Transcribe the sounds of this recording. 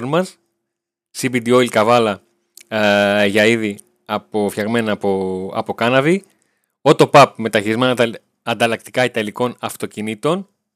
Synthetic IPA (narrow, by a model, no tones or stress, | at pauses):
nmɐs | sibid̪io̞ilkɐvɐlɐ | ʝɐiði | ɐpofçɐɣme̞nɐpoɐ̰po̞kɐnɐvi | o̞t̪o̞pɐp̚me̞t̪ɐçiɾizmen | ɐnd̪ɐlɐk̚t̪ikɐit̪ɐliko̞nɐft̪o̞cinit̪o̞n